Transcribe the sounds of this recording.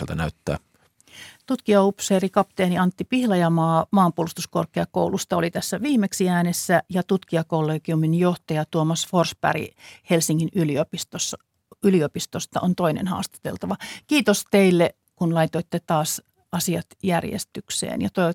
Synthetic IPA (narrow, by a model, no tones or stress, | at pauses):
lt̪ænæyt̪ːæ̰ː | t̪ut̪kiɑupseːrikɑpt̪eːniɑnt̪ːipihlɑjɑmɑːmɑːmpuolust̪uskorkˑeɑko̰ulust̪ɑolit̪æsːæʋiːmeksiæːnesːæjɑt̪ut̪kiɑkolːeːkiuminjoht̪ɑjɑt̪uomɑsforspæ̰rḭhelsiŋːinyliopist̪osːɑ | yliopist̪ost̪ɑ̰ʔont̪oinḛnhɑ̰ːst̪ɑ̥t̪ḛlt̪ɑʋɑkiːt̪ost̪eilːe | kunlɑit̪oit̪ːet̪ɑːs | ɑsiɑt̪jærjḛst̪yksḛːnjɑ̰t̪oiʋɑt̪